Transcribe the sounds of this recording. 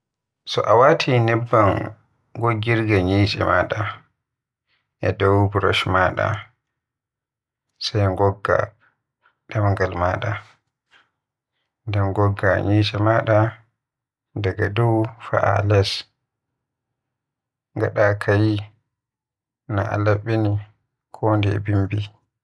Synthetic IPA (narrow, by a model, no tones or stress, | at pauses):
sɔʔawatʰinɛbːan | ɡoɡːiɾɡaɲiːt͡ʃʼɛ̰maɗa | ʔɛdɔwbɾɔ̰ʃmaːɗa̰ | sajŋɡɔɡːa̰ | ɗamŋɡalmaɗa | damɡɔɡːaɲiːt͡ʃʼɛmaɗa | daɡadɔwfa̰ʔa̰lɛs | ŋɡaɗakʰaji | na̰ʔa̰laɓini | kʰɔndɛbimbi